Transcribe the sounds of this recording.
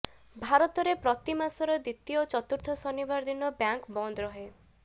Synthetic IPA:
bʱaɾɔt̪ɔɾepɾɔt̪imasɔɾɔd̪it̪ːijot͡ʃɔt̪uɾt̪ʰɔsɔnibaɾd̪inɔbjaŋkbɔnd̪ɾɔɦe

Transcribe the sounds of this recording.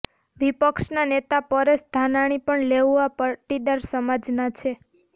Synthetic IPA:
ʋipəkʃnanet̪apəɾesd̪ʱanaɽ̃ipəɳleʋːapaʈid̪aɾsəmad͡ʒnat͡ʃʰe

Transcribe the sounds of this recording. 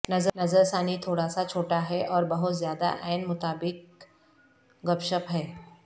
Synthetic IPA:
nəzənəzəɾsanit̪ʰoːɽasat͡ʃʰoːʈaɦɛʔɔːɾbəɦʊt̪zjad̪a̰ʔɛːnmʊt̪aːbɪk̚ | ɡəpʃəpɦɛː

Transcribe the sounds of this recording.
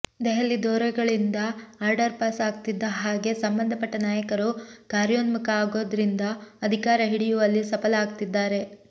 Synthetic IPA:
d̪ɛɦɐlːid̪oːɾɛɡɐɭind̪ɐaːɾɖɐɾpaːsaːɡ̚t̪id̪ːɐɦaːɡe̞sɐmbɐnd̪ʱɐpɐʈːɐnaːjɐkɐɾukaːɾjoːnmukɐaːɡo̞ːd̪ɐɾind̪ɐːd̪ʱikaːɾɐɦiɽijuʋɐlːisɐpɐlaːɡ̚t̪id̪ːaːɾe̞

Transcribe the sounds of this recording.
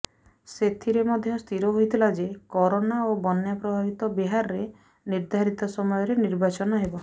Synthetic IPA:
set̪ʰiɾemɔd̪ʱjɔst̪ʰiɾɔɦojt̪ʰilad͡ʒekɔɾonaobɔnjapɾɔbʱabit̪ɔbiɦaɾɔɾe | niɾd̪ʱaɾit̪ɔsɔmɔjɔɾeniɾbat͡ʃɔnɔɦebɔ

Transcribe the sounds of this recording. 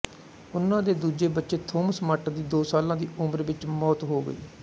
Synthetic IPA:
ʊnːãːd̪eːd̪uːd͡ʒeːbətːʃeːt̪ʰoːmsmaːʈd̪iːd̪oːsaːlãːd̪iːʊməɾʋɪt͡ʃmɔːt̪ɦoːɡə̰ḭː

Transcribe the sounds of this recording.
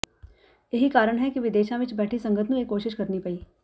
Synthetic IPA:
jɐɦikaːɾəɽ̃ɦɛkiʋɪd̪eːʃãʋɪt͡ʃbɛːʈʰisɐ̃ŋɡət̪ʰmũjekoːʃɪʃkɐɾnipɐiː

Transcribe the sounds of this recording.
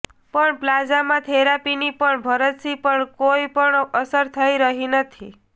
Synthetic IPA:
pəɳplad͡ʒamãt̪ʰeɾapinipəɳbʱəɾət̪sipəɳkoipəɳəsəɾt̪ʰəiɾəɦinət̪ʰi

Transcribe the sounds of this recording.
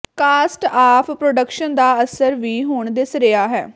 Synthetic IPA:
kaːsʈaːpʰpɾoːɖəkʃənd̪aːəsəɾʋiːɦoːɳd̪ɪsɾeaːɦɛ̰ː

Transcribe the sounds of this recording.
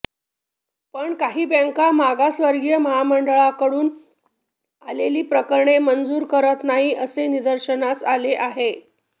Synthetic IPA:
pəɳkaɦiːbəŋkamaɡasʋəɾɡjəməɦaməɳɖəɭakəɽuːn | aleliːpɾəkəɾɳemənd͡zuːɾkəɾət̪naɦiːʔəsenid̪əɾɕənat͡saleʔaɦe

